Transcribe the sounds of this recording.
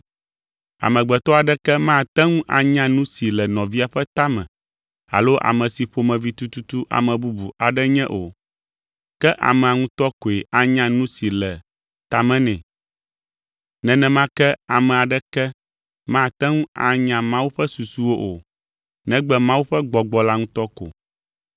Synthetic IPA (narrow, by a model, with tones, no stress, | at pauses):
a̰˨mɛ̃˨ɡ͡bɛ˨t̪ɔ˦a˨ɖɛ˦kɛ˦mã˦˨t̪ɛ˦ŋũ˦ʔa˨ɲã˦nũ˦si˨lɛ˨nɔ̃˨vi˦a˨ɸɛ˦t̪a˦mɛ̰̃˨ | a̰˨lo˦ʔa̰˨mɛ̃˨si˨ɸo˨mɛ̃˨vi˦t̪u˦t̪u˦t̪u˦ʔa̰˨mɛ̃˨bu˦bu˨a˨ɖɛ˦ɲɛ̃˦ʔo̰˨ | kɛ˦ʔa̰˨mɛ̃˨a˨ŋũ˦t̪ɔ˦ko˨e˨ʔa˨ɲã˦nũ˦si˨lɛ˨ | t̪a˨mɛ̃˦nɛ̰̃˨ | nɛ̃˨nɛ̃˦mã˦kɛ˦a˨mɛ̃˨a˨ɖɛ˦kɛ˦ | mã˦˨t̪ɛ˦ŋũ˦a̰˨ɲã˨mã˦wu˦ɸɛ˦su˨su˦wo˦ʔo˨ | nɛ̃˦ɡ͡bɛ˦mã˦wu˦ɸɛ˦ɡ͡bɔ˨ɡ͡bɔ˨la˦ŋũ˦t̪ɔ˦ko̰˨